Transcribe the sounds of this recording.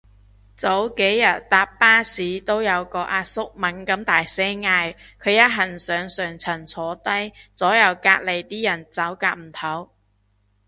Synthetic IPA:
t͡so˨˥wke˨˥jːɐ˨˩t̚t̪aː˧pːaː˥siː˨˥t̪o˥wjɐ˨˧wkɔː˧ʔaː˧t̚sʊ˥k̚mɐ˨˥nkɐ˨˥mt̪aː˨jsɛː˥ŋaː˧jkʰɵ˨˧ɥjɐ˥t̚ɦɐ˨˩nsœː˨˧ŋsœː˨ŋt͡sʰɐ˨˩nt͡sʰɔː˨˥t̪ɐ˥jt͡sɔː˨˥jɐ˨˧wkaː˧k̚le˨jt̪iː˥jɐ˨˩nt͡sɐ˨˥wkaː˧k̚m̩˨˩t̪ʰɐ˨˥w

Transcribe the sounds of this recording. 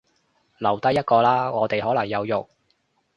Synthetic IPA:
lɐ˨˩wt̪ɐ˥jɐ˥t̚kɔː˧laː˥ŋɔː˨˧t̪e˨jɦɔː˨˥lɐ˨˩ŋjɐ˨˧wjʊ˨k̚

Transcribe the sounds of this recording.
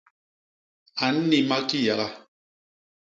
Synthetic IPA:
a˨n̩˦ni˦ma˦ki˦ja˨ɣa˦

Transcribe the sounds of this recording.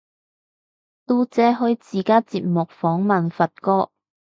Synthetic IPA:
t̪uː˥t͡sɛː˨˥ɦɵ˨˥ɥt͡siː˨kaː˥t͡siː˧p̚mʊ˨k̚fɔː˨˥ŋmɐ˨nfɐ˨t̚kɔː˥

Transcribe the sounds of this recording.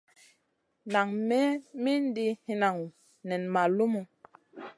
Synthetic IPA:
na˨ŋmɛ˦mi˦n˦di˦hi˦na˨ŋu˨ | nɛ˨nma˨lu˦mu˨

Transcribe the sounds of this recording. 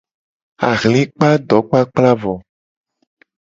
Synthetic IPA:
a̰˨ɣlĩ˦k͡pa˦ɖɔ˨˦k͡pa˦k͡pla˦vɔ˨

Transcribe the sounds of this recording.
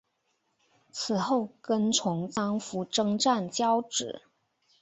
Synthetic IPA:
t͡sʰɹ̩˨˩xo˥˩ʊkə˥nʈ͡ʂʰʊ˧˥ŋt͡sɑ˥ŋfu˧˥ʈ͡ʂɤ˥ŋʈ͡ʂa˥˩nt͡ɕjɑ˥ʊʈ͡ʂɻ̩˨˩˦

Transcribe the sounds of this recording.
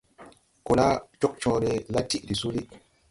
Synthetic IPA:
ku˨la˦t͡ʃo˦k̚t͡ʃɔ̃ː˨˦ɾi˨˦la˦ti˦ʔɾi˨su˦li˦

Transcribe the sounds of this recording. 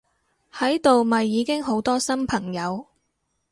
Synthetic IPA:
hɐ˨˥jt̪o˨wmɐ˨jːiː˨˧kɪ˥ŋɦo˨˥wt̪ɔː˥sɐ˥mpʰɐ˨˩ŋjɐ˨˧w

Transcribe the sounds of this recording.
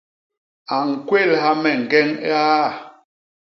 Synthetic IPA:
a˨ŋ̩˨kwe˦˨lha˦mɛ˨ŋ̩˨ɡɛ˦ŋ˦a˦˨

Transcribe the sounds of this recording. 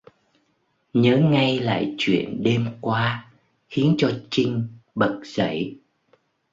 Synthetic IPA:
ɲəː˨˦ŋa˧jla̰ː˧˨jt͡ɕwḭ˧˨ənɗe˧mkwaː˧ | xi˨˦ənt͡ɕɔ˧t͡ɕï˧ŋ̟ɓə˨˩t̚z̥ə̰˧˩˨j

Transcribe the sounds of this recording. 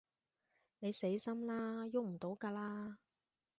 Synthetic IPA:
ne˨˧jse˨˥jsɐ˥mlaː˥jʊ˥k̚m̩˨˩t̪o˨˥wkaː˧laː˥

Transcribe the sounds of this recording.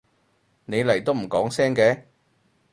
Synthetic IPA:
ne˨˧jlɐ˨˩jt̪o˥wm̩˨˩kɔː˨˥ŋsɛː˥ŋkɛː˨˧˥

